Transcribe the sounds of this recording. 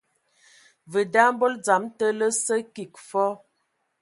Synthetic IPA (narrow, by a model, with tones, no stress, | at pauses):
və˨da˦m˦bo˦ld͡za˨˦mtə˦lə˦sə˦ki˨k̚fɔ˦